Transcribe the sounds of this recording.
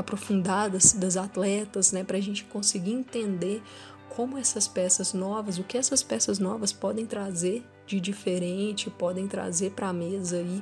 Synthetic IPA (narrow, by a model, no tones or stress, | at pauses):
apɾofũnd̪ad̪ɐzd̪ɐzat̪lɛt̪ɐznɛpɾɐːʒẽnt͡ʃɪ̥kõsɪɡiĩt̪ẽnd̪e | kʰõmʊɛsɐspɛsɐznɔvɐzʊkɪɛsɐspɛsɐznɔvɐspɔd̪ẽj̃t̪ɾazeɾ | d͡ʒɪd͡ʒifeɾẽt͡ʃɪpɔd̪ẽj̃t̪ɾa̰zepɾamezɐi